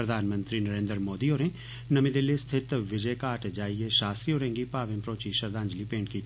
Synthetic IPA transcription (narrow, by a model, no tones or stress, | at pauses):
ɾəd̪ʱaːnmə̃nt̪ɾinɐɾẽːnd̪əɾmoːd̪ioːɾẽ | nɐmid̪ɪlːest̪ʰɪt̪ʋɪd͡ʒəkaːʈd͡ʒaːieʃaːsioːɾẽːŋɡipaːʋɪ̃mpɾoːt͡ʃiʃɐɾd̪ãːnd͡ʒlipẽːɳʈki